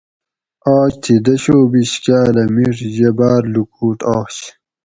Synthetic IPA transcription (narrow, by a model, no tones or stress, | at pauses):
ɑːɕt̪ʰid̪ɐɕoːbiɕkaːlɐmiʂʑebaːɾlukuːʈaːɕ